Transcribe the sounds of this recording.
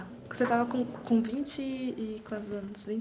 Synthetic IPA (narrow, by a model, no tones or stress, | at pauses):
ke̥set̪avɐkõkõvĩt͡ʃɪːkãzɐ̃nʊsvĩ